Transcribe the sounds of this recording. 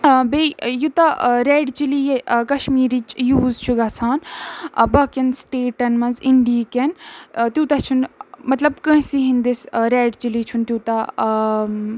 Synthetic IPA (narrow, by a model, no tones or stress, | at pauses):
bejut̪aɾeːɖt͡ʃilijekɐʃmiːɾit͡ʃjuːzt͡ʃʰuɡɐːt͡sʰaːnbɐːkɐnsʈeːʈɐnmɐ̃nziɳɖiːkent̪jut̪ɐt͡ʃʰunmɐt̪lɐbkɐ̃ɦsiɦĩnd̪isɾeːɖt͡ʃilit͡ʃʰunt̪jut̪a